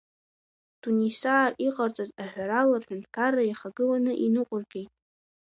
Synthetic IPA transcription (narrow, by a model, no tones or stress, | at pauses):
tʰunisaːʔiqʼart͡sʼazaħᶣʷaɾalarħᶣantʰkʰarːajaχaɡɨlanɨʔinɨqʷʼʊrɡʲe̞jtʼ